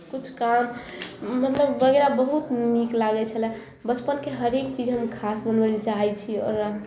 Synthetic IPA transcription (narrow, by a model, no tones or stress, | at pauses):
kut͡ʃʰkamː | ət̪ləbːəɡɾabəɦut̪niklaɡɛt͡ʃʰəlɛ | bət͡ʃpənkeɦəɾek̚t͡ʃid͡ʒɦəmkʰasbənbəlt͡ʃaɦɛt͡ʃʰiɔ̰ɾ